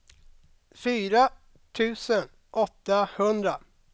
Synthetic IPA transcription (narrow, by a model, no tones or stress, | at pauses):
fyːɾa | t̪ʰʉ̟ːsən | ʔɔt̪ːahɵnd̪ɾa